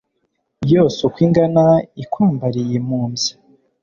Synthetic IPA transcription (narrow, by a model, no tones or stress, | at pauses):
joːsokwiːŋɡanaikwaːmbaɾije̞muːmzi̥